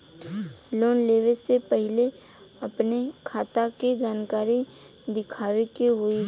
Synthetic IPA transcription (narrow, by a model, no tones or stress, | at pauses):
loːnleːʋesepəɦɪle | ɐpnekʰaːt̪akid͡ʒaːnkaːɾi | d̪ɪkʰaːʋekeɦʊi